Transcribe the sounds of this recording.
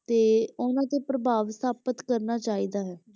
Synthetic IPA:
t̪eːʊnãːt̪eːpɾəbʱaːʋst̪aːpət̪kəɾnaːt͡ʃaːiːd̪aːɦɛː

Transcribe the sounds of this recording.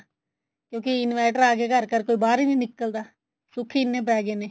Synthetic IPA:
kjõːkɪɪnʋɛːʈəɾaːkeːkəɾkəɾkoːiːbaːɾiːnĩːnɪkːəld̪aː | sʊkʰːiːnːẽːp̬ɛːɡeːneː

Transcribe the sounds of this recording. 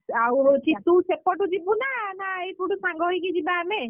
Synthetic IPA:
awt͡ʃit̪usepɔʈud͡ʒibunanaejt̪uɽusãŋɡɔɦjkid͡ʒibaːme

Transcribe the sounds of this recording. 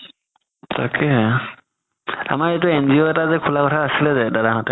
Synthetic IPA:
takʰɛɦɛ | a̰maɹet̬uɛnziɔɛtazɛkʰulakɔtʰaːsilɛzɛdadaɦɔtɛ

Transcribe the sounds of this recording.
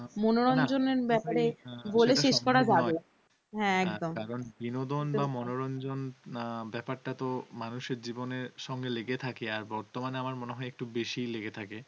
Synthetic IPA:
monoɾɔnd͡ʑoneɾbɛpaɾeboleʃeʃkɔɾad͡ʑabe | ɦɛ̃ɛkd̪omkaɾonbinod̪onbamɔnoɾɔnd͡ʑonbɛpaɾʈat̪omanuʃeɾd͡ʑiboneɾʃɔŋɡeleɡet̪ʰakeaɾbɔɾt̪omaneamaɾmoneɦɔeek̚ʈubeʃijleɡet̪ʰake

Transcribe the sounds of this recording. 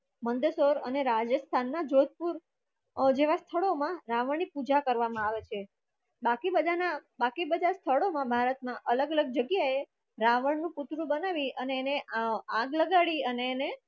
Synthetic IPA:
mənd̪əsoɾə̰neɾad͡ʒəst̪ʰanːad͡ʒod̪̚puɾ | d͡ʒeʋast̪ʰəɭomãɾaʋəɳnipud͡ʒakəɾʋamãaʋet͡ʃʰe | bakibəd̪ʱanabakibəd̪ʱast̪ʰəɭomãbʱaɾət̪mãʔələɡələɡ̚d͡ʒəɡjae | ɾaʋəɳnũput̪ɾũbənaʋiəneːneãɡləɡaɭiəneːne

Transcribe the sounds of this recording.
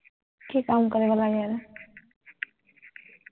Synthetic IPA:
kekaːmkəɾeʋalajaɾ

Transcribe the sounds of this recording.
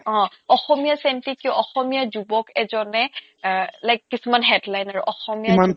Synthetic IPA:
ɔ̃ | ɔxɔmijasɛntikːiɔʔɔxɔmijazubɔkɛzɔnɛ | lajkːisumanɦɛdlajnaɹṵʔɔxɔmijaan

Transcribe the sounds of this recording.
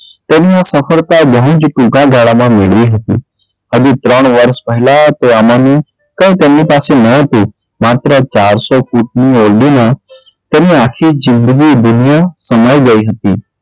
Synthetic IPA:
t̪eːnijãsəfʰəɾt̪abəɦʊ̃d͡ʒʈũkãɡaːɭamãmɪɭʋiɦət̪ḭː | ɦəd͡ʒut̪ɾəɽ̃ʋəɾspəɦɪlat̪oamãmẽ | kə̃ĩt̪eːnĩpaːsenəɦət̪u | maːt̪ɾət͡ʃaːɾsɔkuʈ̚nioːlɖimã | t̪eːnĩaːkʰizɪ̃nd̪əɡid̪ʊnɪjasəmaːiɡəiɦət̪iː

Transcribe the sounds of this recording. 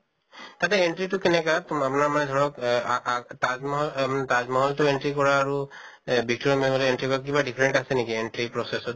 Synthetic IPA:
t̪atɛeɳʈɹitʊkɛnɛkaapunaɹmanɛd̪ʱɔɹɔk | tamɔɦmtazmɔɦɔltʊeɳʈɹikɔɹaːɹu | bʱik̚tɔɹimemɔlɔenʈɹikɔɹak̬ibaɖipʰɹeɳʈasɛnekieɳʈɹipɹɔsesɔt̚

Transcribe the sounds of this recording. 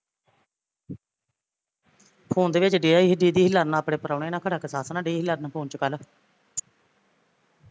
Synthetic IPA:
pʰuːnd̪eːʋɪt͡ʃɖiːaːiɖiːd̪iːɦɪlːaːɾnãːəpɽeːpəɾaːɳeːnãːkʰəɽaːkəsaːsnãːɖiːɦɪlːaːɾnãːpʰuːnt͡ʃəkəl

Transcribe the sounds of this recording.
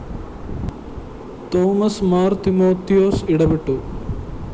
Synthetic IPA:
t̪oːmɐsmaːɾt̪imoːt̪ijoːsiɽɐbiʈːu

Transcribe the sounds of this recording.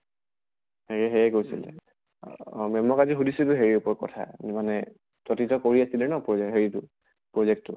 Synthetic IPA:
heɹɛɦɛjɛkojsḭlɛ̰ | mɔmɔkatiɦudisutʊɦeɹiupɔɹkɔ̰tʰa̰manɛ | tɔtitɔkoɹiasilɛnɔpɔɦeɹitʊ | pɹɔzɛk̚tʊ̰

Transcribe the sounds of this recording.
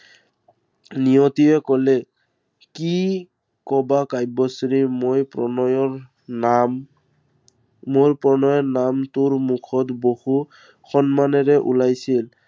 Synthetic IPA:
nijɔt̪iɛkɔlɛ | ki | kɔbakajbɔsɾimojpɔɔjɔ | moɹpɹɔnɔjɔnamtʊɹmukʰɔt̪bohu | xɔnmanɛɹɛʔṵlajsil

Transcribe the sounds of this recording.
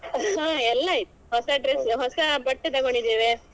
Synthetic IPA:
ɦãːɛlːɐit̪ːu̥ɦɔsɐɖɾesɦɔsɐbɐʈːet̪ɐɡoɳɖid̪eːʋe

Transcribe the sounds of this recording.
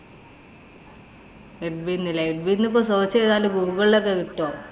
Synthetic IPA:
eɖ̚binːileeɖ̚binːipːoːsoːt͡ɕːɐeðaːlubʱuːuɣɐɭilok̬ːekiʈːoː

